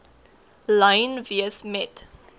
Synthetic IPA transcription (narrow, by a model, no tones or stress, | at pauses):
lɐjnviəsmɛt